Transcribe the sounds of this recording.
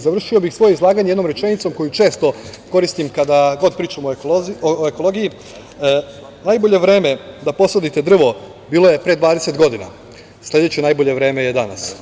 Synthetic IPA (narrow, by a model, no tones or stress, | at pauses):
zaʋr̩ʃio̞bixsʋo̞jeizlˠaːɡaɲeed̪no̞mɾe̞t͡ʃe̞nit̪so̞mko̞jut͡ʃe̞ːst̪o̞ko̞ɾist̪imkad̪aɡo̞d̪̚pɾiːt͡ʃamooekoloːɡiji | najbo̞ʎe̞ʋɾe̞ːme̞d̪apo̞sod̪it̪ed̪r̩ʋo̞ | biːlˠo̞je̞pɾed̪ʋaːd̪eset̪ɡo̞d̪ina̰ | slʎʲe̞d̪et͡ɕenaːjboʎe̞ʋɾe̞ːme̞jed̪ana̰s